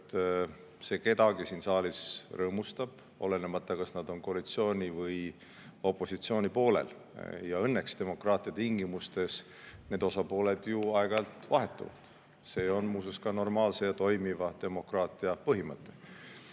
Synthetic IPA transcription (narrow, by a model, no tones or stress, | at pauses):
t̪ː | se̞ːke̞d̪ɑɡ̥isiːnsɑːlisrɤːmust̪ɑb̥ | o̞̰lenemɑt̪ːˑɑkɑsnɑd̪o̞nko̞ɑlit̪sio̞ːnʲivɤj | o̞pˑːo̞sit̪sio̞ːnʲipo̞ːlḛl | jɑɤnːe̞kst̪e̞mo̞krɑːt̪ˑiɑt̪iŋɡ̥imust̪e̞s | ne̞ːd̪̥o̞sɑpo̞ːle̞d̪juɑeɡ̥ɑɑlt̪vɑɦe̞t̪ːˑṵvɑ̰d̪̥ | se̞ːo̞nmuːsuskɑno̞rmɑːlse̞jɑt̪o̞jmivɑt̪e̞mo̞krɑːt̪ˑiɑpɤɦimɤt̪ːˑe̞